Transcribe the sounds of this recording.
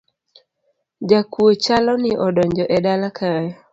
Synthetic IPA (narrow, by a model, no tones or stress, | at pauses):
d͡ʒakwot͡ʃalɔnɪʔɔdɔɲd͡ʒɔʔɛdalakʰajɔ